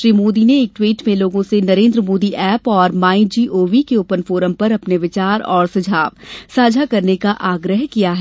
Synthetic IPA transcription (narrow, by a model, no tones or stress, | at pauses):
ʃɾiːmoːd̪ineeːk̚ʈwiːʈmẽloːɡõsenɐɾẽːnd̪ɾəmoːd̪iʔɛːpɔːɾmaːĩd͡ʒiːʔoːʋikeʊpənfoːɾəmpɐɾɐpneʋɪt͡ʃaːɾɔːɾsɐd͡ʒʱaːʋsaːd͡ʒʱakɐɾnekaʔaːɡɾəɦkijaɦɛː